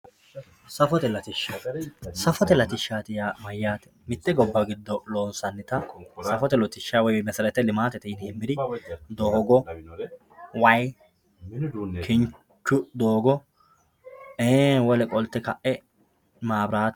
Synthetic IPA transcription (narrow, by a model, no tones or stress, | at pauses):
sɐfɔt̪ɛlɐt̪ɪʃːasɐfɔt̪ɛlɐt̪ɪʃːaːt̪ɪjaːmɐjːaːt̪ɛ̥mɪt̪ːɛɡɔbːɐɡɪd̪ːɔlo̞ːnsɐnːɪt̪ɐsɐfɔt̪ɛlɔt̪ɪʃːawɔjmɛsɛɾɛt̪ːɛlɪmaːt̪ɛt̪ɛjɪd̪ɪɪmːɪd̪ɪd̪oːɡɔ | wɐj | kʰɪn | t͡ʃːʊd̪oːɡɔ | ewɔlɛkʼɔlt̪ːɛkɐʔɛ | maːbɾaːt̪ɛ